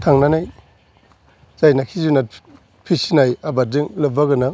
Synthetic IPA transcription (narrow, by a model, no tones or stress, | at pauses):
tʰaŋnanaj | z̥ajnakʰizuna | pʰisinajabadɯŋlɯbaɡɯna